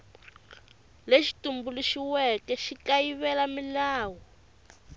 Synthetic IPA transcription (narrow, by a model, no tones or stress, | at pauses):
leʃi̥tumbuluʃiwɛkɛʃikajiβɛlamilaːwɔ